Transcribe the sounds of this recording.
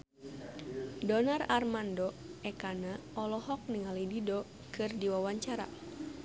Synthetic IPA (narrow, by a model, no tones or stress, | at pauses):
dɔnararmandɔɛkanaɔlɔɦɔk̚niŋalididɔ | kɨrdiwawaɲt͡ʃaɾa̰